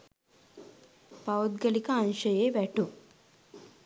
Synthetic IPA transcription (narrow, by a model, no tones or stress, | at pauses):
pawd̪̚ɡɐlikɐːnʃɐjeʋɛʈu